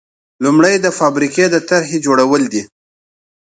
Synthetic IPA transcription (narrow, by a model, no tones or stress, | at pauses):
lumɽəjd̪əfɑbɾiked̪ət̪aɾɦed͡ʒoɽawəld̪i